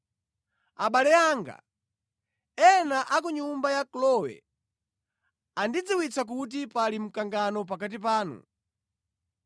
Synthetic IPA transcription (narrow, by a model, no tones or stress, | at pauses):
aɓalɛaːŋɡa̰ | ɛnaʔak̬uɲumbajaklɔwɛ̰ | andid͡ziwit͡sak̬ut̬ipalim̩kaŋɡanɔp̬akat̬ip̬aːnṵ